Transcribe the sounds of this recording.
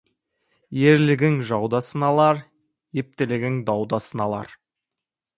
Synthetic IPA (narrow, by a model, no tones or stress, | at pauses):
je̞ɾlɪɡʲɪŋʒɑwd̪ɑsənɑlˠɑɾ | je̞p̚t̪ɪlɪɡʲɪŋd̪ɑwd̪ɑsənɑlˠɑ̰ɾ